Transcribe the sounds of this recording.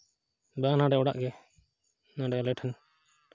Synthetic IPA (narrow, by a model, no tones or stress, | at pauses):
banãɖɛɔɽa̰ʔɡɛ | nãɖɛɔlɛʈʰɛn